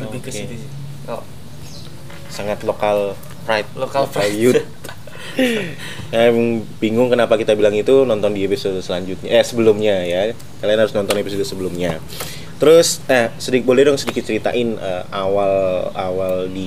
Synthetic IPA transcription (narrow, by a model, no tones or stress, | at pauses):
oke | saŋat̪lokal | pɾajp̚okafajut̪̚ | kajamŋbiŋʊŋkənapakit̪abilaŋit̪unɔnt̪ɔndiepisodsəlaɲd͡ʒʊt̪̚ɲaasəbəlʊmɲaja | kalianhaɾʊsnɔnt̪ɔnepisodusəbəlʊmɲa | t̪əɾʊsahsədik̚bolɛhdʊŋsədikɪt̪̚t͡ʃəɾit̪a̰ʔɪnəawalawaldi